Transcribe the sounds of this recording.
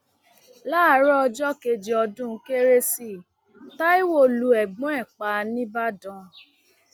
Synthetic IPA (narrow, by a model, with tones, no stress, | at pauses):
laː˦˨˦ɾɔ˦ɔ˧d͡ʒɔ˦ke˧d͡ʒi˨ɔ˧dũ˦˧˦ke˦ɾe˦si˦˨ | ta˦i˦wo˦˨lu˧ɛ˨ɡ͡bɔ̃˨˦ɛ˦˨k͡pa˨nĩ˦ba˦dɔ̃˧˦